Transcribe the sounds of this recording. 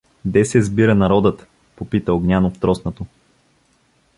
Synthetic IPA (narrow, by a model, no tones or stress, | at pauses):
d̪ɛsɛzbiɾənɐɾɔd̪ət̪ | popit̪əoɡnʲanoft̪ɾɔsnot̪o